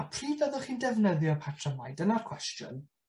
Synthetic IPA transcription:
apʰriːdaðɔχiːndɛvnəðjɔpʰatʰrəmajdənarkʰw̥ɛstjʊ̰n

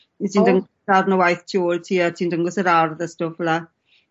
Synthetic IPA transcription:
mitʰiːndəŋɡɔ | arnəwajθtʰioːltʰiːatʰiːndəŋɡɔsəɾarðəstʊfəla

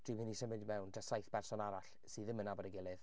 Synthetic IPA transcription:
d̥wɨmhɪnisəmɪdmɛwndʰasajθb̥ɛrsɔnaɾaɬ | sɨːðəmənabɔdəɡɪlˠɨð

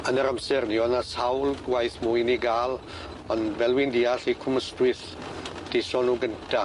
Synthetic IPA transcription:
ənəɾamsɛrniɔnasawlɡwajθmʊjniɡaːlˠ | ɔnvɛlˠwɪndiːaɬikʰʊməstwɪθ | d̥sɔnuːɡəntʰa

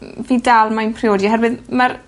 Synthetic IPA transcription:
viːdalˠmanpʰrioːdjaɦɛrvɨðmaɾ

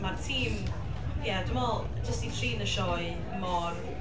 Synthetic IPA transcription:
martʰiːm | jadʊmɔlˠ | d͡ʒəstitʰriːnəʃɔɨ | mɔr

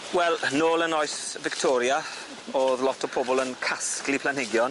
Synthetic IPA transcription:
wɛlˠnoːlˠənɔjsvɪktʰɔɾja | oːðlɔtʰɔpʰɔbɔlˠənkʰasklipʰlanhɪɡjɔn

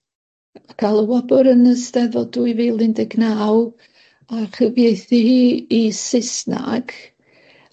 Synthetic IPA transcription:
kʰalˠəwɔbɔɾənəstɛðɔduiviːlˠɪndɛɡnaːw | aχəvjejθihiːisɪsna̰ɡ̥

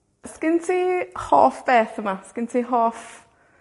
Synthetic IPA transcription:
skɪntʰihɔːfb̥eːθəmaskɪntʰiɦoːf

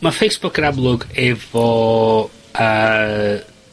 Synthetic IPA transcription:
mafejsb̥ʊkəɾablˠʊɡɛv̥ɔ | ə

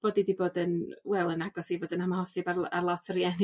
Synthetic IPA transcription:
b̥oːdidiboːdənwɛlˠənaɡɔsivoːdənhamahɔsɪbararlˠɔtʰɔɾjɛn

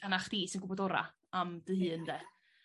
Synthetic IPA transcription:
anaχd̥iːsɪnɡʊbɔdɔɾa̰ | amd̥ɨhɨːəndɛː

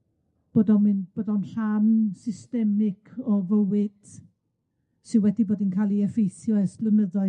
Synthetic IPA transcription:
b̥oːdɔmɨnb̥oːdɔnɬamsɪstɛmɪkʰɔvəwɨd̥ | sɨwɛdiboːdinkʰalˠiɛfejθjɔɛspləməðɔ

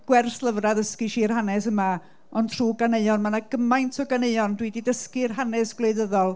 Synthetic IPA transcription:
ɡ̥wɛrθlˠəvraðəskiʃiːrhanɛsəma | ɔntʰr̥uːɡaneɨɔnmanaɡəmajntʰɔɡaneɨɔndwididəskirɦanɛsɡ̥leɨðəðɔlˠ

